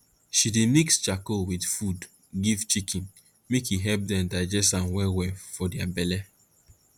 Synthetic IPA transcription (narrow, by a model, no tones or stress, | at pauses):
ʃidinikst͡ʃakowidfud | ɡivt͡ʃikĩn | mekjiɦɛp̚dɛmdaɪd͡ʒɛsãnwɛwɛfɔdiabɛlɛ